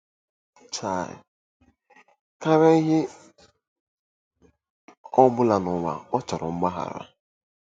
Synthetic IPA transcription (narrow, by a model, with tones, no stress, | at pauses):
t͡ʃa˨ɪ̰˨ | ka˦ɾe˦i˦ɦɪ˦ | ɔ˦bʊ˦la˨nʊ˨wa̰˨ɔ˦t͡ʃa˨ɾʊ˨ŋ͡m̩˦ɡ͡ba˦ɦa̰˨ɾa̰˦